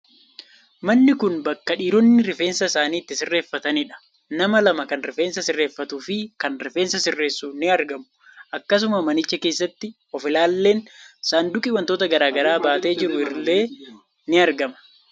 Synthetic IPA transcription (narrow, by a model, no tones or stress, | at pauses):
mɐnːɪkʊnbɐkːɐᶑiːɾɔnːɪɾɪfe̞ːnsɐɪsaːniːt̪ːɪsɪrːe̞ːfːɐt̪ɐnɪᶑɐ̥ | nɐmɐlɐmɐkɐnɾɪfe̞ːnsɐsɪrːe̞ːfːɐt̪uːfɪkɐnɾɪfe̞ːnsɐsɪrːe̞ːsːuːnɪɐɾɡɐmʊ | ʔɐkːɐs̬ʊmɐmɐnɪt͡ʃːɐke̞ːsːɐt̪ːɪ | ɔfɪlaːlːe̞ːnsaːnd̪ʊkʼɪwɐnt̪oːt̪ɐɡɐɾaːɡɐɾaːbaːt̪e̞ːd͡ʒɪɾʊɪɾle̞ː | nɪɐɾɡɐmɐ̥